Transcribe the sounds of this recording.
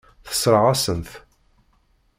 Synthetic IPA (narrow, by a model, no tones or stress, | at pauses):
θə̥sːɾˤəʁasənθ